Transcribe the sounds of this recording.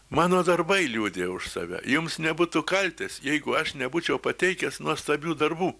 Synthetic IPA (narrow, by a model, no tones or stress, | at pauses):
mɑːnoːd̪ɐrbɐɪlʲuːd̪ʲeːʊʃsɑ̰ːʋʲɛ̰jʊmsnʲɛbuːt̪ʊkɐlʲt̪ʲesjɛɪɡʊɐʃnʲɛbuːt͡ʃʲɛʊpɐt̪ʲɛɪkʲɛsnuɔst̪ɐbʲuːd̪ɐrbuː